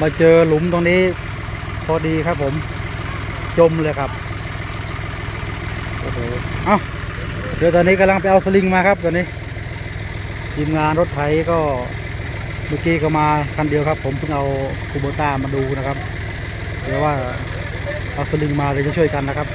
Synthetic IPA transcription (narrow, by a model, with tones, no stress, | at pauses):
maː˧˩t͡ɕɤː˧lu˨˦mt̪oː˧ŋniː˦˥ | pʰɔː˧diː˧kʰa˦˥pʰːo˨˩˦m | t͡ɕo˧mlɤː˧˨kʰa˦˥p̚ | ʔoː˧˩ɦoː˨˩ʔa˧˩˨w | lɛː˧˦˧t̪ɔː˧niː˦˥ka˧mla˧ŋpa˨˧jʔa˧wsa˧li˧ŋmaː˧kʰa˦˥p̚t̪ɔː˧niː˦˥ | t̪ʰiː˧mŋaː˧nɾo˦˥t̪̚ʰa˨˩˦jkɔː˧˥˩ | maː˧˩kiː˨˦˥kɔː˧˩maː˧kʰa˧˩ndi˧əwkʰa˦˥pʰːo˩˦mpʰɯ˥˩ŋʔa˧wpʰuː˧˩boː˧t̪aː˧˥˩maː˧duː˧na˧˥kʰa˦˥p̚ | t̪ʰɛː˨˧˩waː˥˩ | ʔa˧wsa˧li˧˩˨ŋmaː˧lɛː˧˩t͡ɕa˧˩t͡ɕʰu˥˩əjka˧nːa˦˥kʰa˦˥p̚